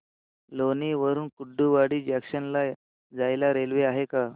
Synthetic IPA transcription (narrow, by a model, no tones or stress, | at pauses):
loniʋəɾuːnkuɖːuʋaɽiːd͡ʑɛkɕənla | d͡zajlaɾelʋeaɦeka